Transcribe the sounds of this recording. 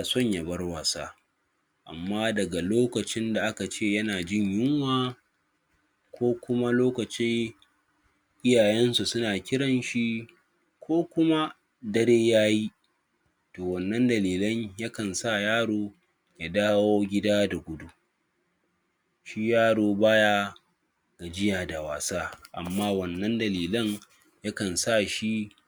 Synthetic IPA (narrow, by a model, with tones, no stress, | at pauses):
a˨sɔ˦˨ɲja˨bɐ˦rwaː˨saː˦ | ʔa̰˨mːaː˦dɐ˨ɡa˨loː˦kɐ˨t͡ʃɪ˦nda˨ʔa˦ka˨t͡ʃeː˦˨jɐ˦naː˨d͡ʒɪ˦ɲjɪ˦ŋwaː˦ | kʷʰoː˦kʷʊ˦ma˦loː˦kɐ˨t͡ʃɪ˦ŋ | ʔɪ˦jaː˨jɛ˦nsu˨sʊ˦naː˨kʲɪ˦ɽɐ˨nʃi˦ | kʷʰoː˦kʷʊ˦ma˦ | dɐ˦ɽeː˦jaː˦ji˦ | toː˨wɐ˨nːɐ˦ndɐ˨liː˨lɐ˦ɲjɐ˦kɐ˨nsa˦˨jaː˦ɽoː˦ | ja˦daː˦woː˦ɡʲɪ˦daː˦da˨ɡʷʊ˦du˦ | ʃi˦jaː˦ɽoː˨baː˦ja˦ | ɡa˨d͡ʒɪ˦jaː˨da˨waː˨saː˦ʔa̰˨mːaː˦wɐ˨nːɐ˦ndɐ˨liː˨lɐ˦ŋ | jɐ˦kɐ˨nsa˦˨ʃi˦